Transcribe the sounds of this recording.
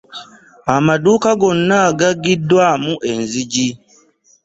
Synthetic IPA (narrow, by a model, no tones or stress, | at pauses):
amaduːkaɡonːaɡaɡidwamuʔenziɟi